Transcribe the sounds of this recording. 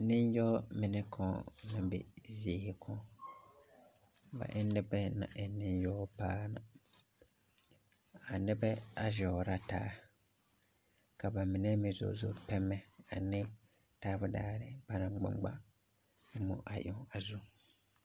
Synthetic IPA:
nɪ˦njɔ˦mɪ˨nɛ˦kʰɔ˨nɪ˦bɛ̰˨zi˦hɪ˨kʰɔ˦ | ba̰˨ʔɪ˦nːɪ˦bɛ˦na̰˨ʔɛ˨nɪ˦njɔ˦paː˦na˨ | a˨nɪ˦bɛ˦a˦ʒɔ˨ɾa˦taː˦ | ka˨ba˨mɪ˨nɛ˦mɪ˨zo̰˨zo̰˨ɾpɛ˦mːɛ˦a˨nɪ˦ | taː˦bʊ˦daː˦ɾɪ˨ba˦na˨ɡ͡bɪ̰˦ŋ͡mɡ͡ba̰˦ | ɪ˦mo̰˨ʔa˨ʔɔ˨˦˨a˨zu˦

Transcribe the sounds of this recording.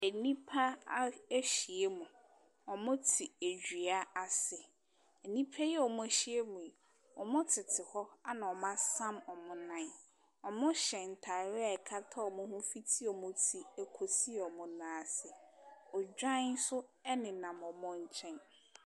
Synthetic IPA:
e˨nĩ˦pʰa˦a˦æ˦ɕi˨e˦mʊ̃˨ | ɔ˨mʊ̃˦tʰi˨æ˨d͡ʑᶣi˨a˦a˨sɪ˨ | ɛ˨nĩ˦pʰa˦jɛ˦ɔ˨mʊ̃˦æ˨ɕi˦e˦mʊ̃˨e˨ | ɔ˨mʊ̃˦tʰɪ˨tʰɪ˨hɔ˦a˦nã˨ɔ˨mã˦sã˦mɔ˨mʊ̃˨nã˨n | ɔ˨mʊ̃˦ɕɛ̃˨n̩˨tʰa˨ɾɛ˦a˨ɛ˨kʰa˦tʰa˦ɔ˨mʊ̃˦hʊ̃˦fi˦tʰi˦ɔ˨mʊ̃˦tʰi˨æ˨kʰo˨si˦˨ɔ˨mʊ̃˨nãː˨sɪ˨ɔ˨d͡ʑᶣa˦n̩˦sʊ˦ɛ˦nɪ̃˨nã˨mɔ˨mʊ̃˦ɲ̩˦t͡ɕʰɛ̃˦n

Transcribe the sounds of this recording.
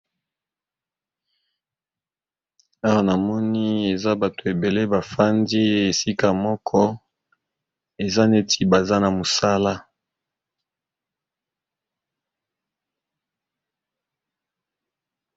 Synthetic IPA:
a˦wa˦na˨mɔ˦ni˦e˨za˦ba˨to˨e˨be˨le˦ba˨fa˦ndi˦e˨si˦ka˨mɔ˦kʰɔ˦ | e˨za˦ne˦tʰi˨ba˨za˦na˨mo˨sa˦la˦

